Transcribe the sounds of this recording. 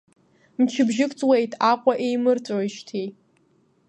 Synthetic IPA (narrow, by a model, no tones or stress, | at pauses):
mt͡ʃʰɪbʒɪkʷʼt͡sʼwejtʰʼaqʷʼaʔejmɨrt͡sʷʼaʃtʰej